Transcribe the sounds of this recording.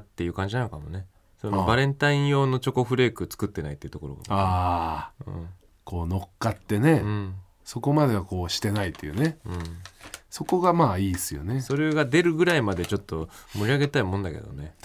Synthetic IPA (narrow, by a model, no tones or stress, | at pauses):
t̪ːe̞jɯ̟ːkãɲ̟d͡ʑinanokamone̞ | sonobaɾẽ̞nt̪aĩɰ̃jo̞ːno̞t͡ɕo̞ko̞ɸɯ̟ɾe̞ːkɯ̟t͡sɨ̥kɯ̟t̪ːe̞nait̪ːeiɯ̟t̪o̞koɾo̞ɡa̰aː | ɯ̟̰̃ɴ | ko̞ːno̞kːat̪ːe̞ne̞ɯ̟̃ɴ | so̞ko̞mad̪e̞βako̞ːɕi̥t̪e̞nait̪ːejɯ̟ːne̞ɯ̃ɴso̞ko̞ɡamaːiːsɨjo̞̰neso̞ɾe̞ɡad̪e̞ɾɯ̟ɡɯ̟ɾaimad̪e̞t͡ɕo̞t̪ːo̞moɾʲiaɡe̞t̪aimõ̞nd̪ake̞̰d̪o̞̰ne̞